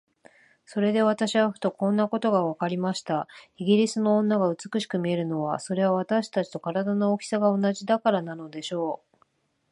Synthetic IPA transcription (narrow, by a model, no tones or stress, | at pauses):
so̞ɾe̞d̪e̞β̞at̪aɕiβaɸɯ̟̥t̪o̞kõ̞nːako̞t̪o̞ɡaβakaɾʲimaɕi̥t̪aiɡʲiɾʲisɨnõ̞ːnːaɡaɯ̟t͡sɨ̥kɯ̟ɕi̥kɯ̟mʲie̞ɾɯ̟no̞βa̰so̞ɾe̞β̞aβ̞at̪aɕi̥t̪at͡ɕi̥t̪o̞kaɾad̪anookʲi̥saɡao̞naʑid̪akaɾanano̞d̪e̞ɕo̞ː